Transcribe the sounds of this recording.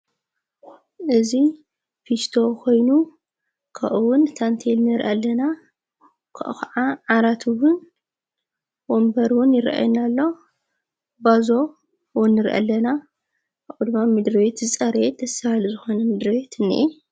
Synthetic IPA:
ʔɨzi | fist̪ʰo̞kʰo̞jnu | kʰa̰ʔɨwʊnt̪ʰant̪ʰelnɨɾʔalːɐna | kʰa̰ʔxaʕaʕaɾat̪ʰɨwʊn | wombɐɾwʊnjɪɾa̰ʔa̰jnalːo̞ | bazo̞ | wʊnːɨɾʔa̰lːɐna | aʔɨd̪ɨmamɨd̪ɾɨwet̪zɨt͡sʼɐɾed̪ɐsahalzɨxo̞nɐmɨd̪ɾɨβet̪ʰɨnːḭʔɛ

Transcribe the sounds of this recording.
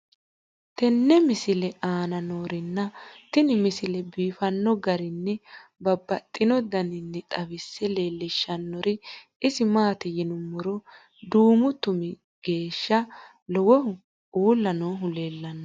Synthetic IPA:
t̪ɛnːɛmɪsɪlɛʔaːnɐnoːɾɪnːɐt̪ɪnɪmɪsɪlɛbiːfɐnːɔɡɐɾɪnːɛbɐbːɐt̪ʼːɪnɔd̪ɐnɪnːɛt̪ʼɐbɪsːɛleːlːɪʃːɐnːɔɾɪ | ɪsɪmaːt̪ɪjɪnʊmːɔɾɔ | d̪uːmʊt̪ʊmɪ | ɡ̥e̞ːʃːɐ | lɔwɔɦʊ | uːlːɐnoːɦʊleːlːɐnːɐ

